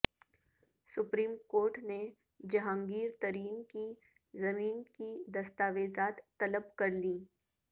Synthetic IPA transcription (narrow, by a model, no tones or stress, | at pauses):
sʊpɾiːmkoːɾʈne | d͡ʒɐɦãːŋɡiːɾt̪ɐɾiːnki | zɐmiːnkid̪ɐst̪aːʋeːzaːt̪ːɐləbkɐɾliː